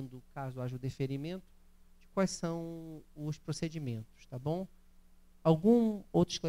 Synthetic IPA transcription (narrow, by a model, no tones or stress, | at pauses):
nd̪ʊkazʊaʒɐʊd̪efeɾimẽnt̪ʊ̥ | d͡ʒɪkwajsɐ̃w̃ʊspɾosed͡ʒimẽnt̪ʊ̥ʃt̪abõw̃ | awɡũowt̪ɾʊʃka